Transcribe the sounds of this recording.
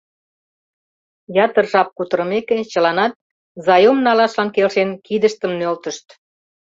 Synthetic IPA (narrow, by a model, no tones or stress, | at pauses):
jɑt̪ərʒɑp̚kut̪əɾəmeket͡ɕəlɑnɑt̪̚ | zɑjomnɑlɑʃlɑnkelʃenkid̪əʃt̪əmnølt̪əʃt̪